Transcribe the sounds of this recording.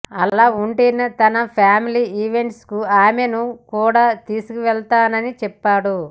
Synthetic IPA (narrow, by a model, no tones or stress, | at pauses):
ɐlaːuɳʈeːnɐt̪ɐnɐpʰaːmiliːiːʋe̞ɳʈskuaːmenukuːɽaːt̪iːsukuʋɛɭt̪aːnɐnit͡ʃɛpːaːɽu